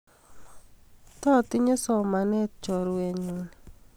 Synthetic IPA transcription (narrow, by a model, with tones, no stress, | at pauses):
tɔ˦˨tɪ˦ɲe˦sɔ˨ma˨nɛ˦tt͡ʃɔ˨ɾwe˨ɲi˨n˨